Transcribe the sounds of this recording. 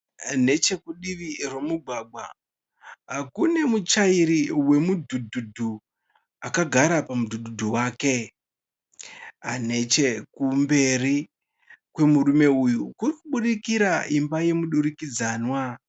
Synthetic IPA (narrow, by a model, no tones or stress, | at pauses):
ne̞t͡ʃe̞kuɗiʋirwomuɡʱwaɡ͡bwa̰ | akune̞mut͡ʃaiɾiwe̞mudʱudʱudʱu | akaɡʱaɾapamudʱudʱudʱuwaːke̞ | ane̞t͡ʃe̞kumbe̞ri | kwe̞muɾume̞ujukurikuɓuɗikiɾaimbaje̞muɗuɾikid͡zaːnwa